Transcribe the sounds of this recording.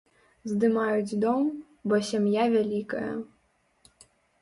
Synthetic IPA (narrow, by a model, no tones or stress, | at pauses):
zd̪ɨmajud͡zʲd̪ɔm | bɔsʲamjavʲalʲikɐjɐ̰